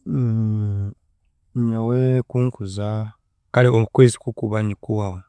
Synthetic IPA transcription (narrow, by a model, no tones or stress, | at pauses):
ɲawekuːŋkuza | kaliomukweːzi̥kukuβaɲikuwawe